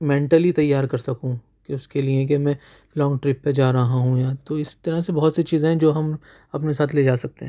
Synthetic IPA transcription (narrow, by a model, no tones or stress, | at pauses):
mɛ̃ːɳʈəlit̪ɐjːaːɾkɐɾsɐkũ | keʊskeliẽk̬emɛ̃ː | lɔ̃ːŋɡʈɾɪpːed͡ʒaːɾɐɦaɦũjat̪oɪst̪ɐɾəɦsebɐɦɔt̪set͡ʃiːzẽɦɛ̃d͡ʒoːɦɐm | ɐpnesaːt̪ʰleːd͡ʒaːsɐk̚t̪eɦɛ̃